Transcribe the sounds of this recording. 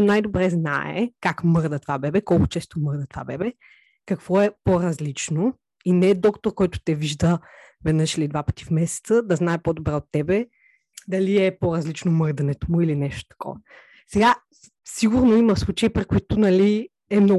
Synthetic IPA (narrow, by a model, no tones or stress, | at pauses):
najd̪obɾɛzna̰ɛ̰kakmɤɾd̪ət̪vabɛbɛkɔlˠkʊ̥t͡ʃɛst̪omɤɾd̪ət̪va̰bɛbɛ | kɐkv̥ɔɛpoɾɐzlit͡ʃno | inɛd̪ɔkt̪oɾkɔjt̪ʊ̥t̪ɛviʒd̪ə | vɛd̪nɤʃilid̪vapə̥t̪i̥fmɛsɛ̥t̪səd̪ɐznaɛpod̪obɾɛot̪ːɛbɛ | d̪ɐliɛpoɾɐzlit͡ʃnomɤɾd̪ɐnɛt̪omʊilinɛʃt̪o̥t̪ɐ̥kʰɔ̰vɐ | sɛɡa | siɡʊɾnoimɐfslˠut͡ʃəipɾikoit̪ʊnɐli | ɛmnɔ